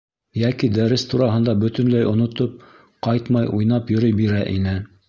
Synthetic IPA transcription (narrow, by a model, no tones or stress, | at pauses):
jækid̪æɾɘst̪uɾɑɦɤ̆nd̪ɑbɵ̆t̪ɵ̆nlæjŏnŏt̪op̚ | qɑjt̪mɑjʔujnɑpjɵ̆ɾɵjbiɾæʔḭnɘ